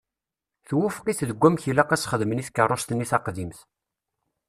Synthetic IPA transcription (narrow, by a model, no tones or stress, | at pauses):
θwufqiθðəɡʷːæmçilæqæsχəðməniθkːərˤːost̪ənːiθɑqðimθ